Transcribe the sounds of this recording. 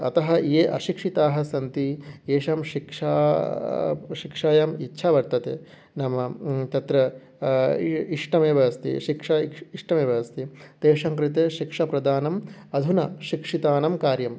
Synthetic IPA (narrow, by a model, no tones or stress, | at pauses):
ɐ̰t̪ɐɦɐ̆eːʔɐʃikʂit̪aːɦɐsɐnt̪ieːʃɐmʃikʂa̰ː | ʃikʂaːjɐmitːʃʰaːʋɐɾt̪ɐt̪ḛː | nɐmɐt̪ɐt̪ɾɐ | iʂʈɐmeːʋɐʋɐst̪ḭʃikʂɐiʂʈɐmeːʋɐʋɐst̪it̪eːʂɐŋkɾit̪eːʃikʂɐpɾɐd̪aːnɐmɐd̪ʱunɐʃikʂit̪aːnɐmkaːɾjɐm